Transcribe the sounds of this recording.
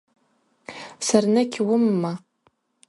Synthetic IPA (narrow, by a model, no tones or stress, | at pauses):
sarnɨkʲʰwʊmːa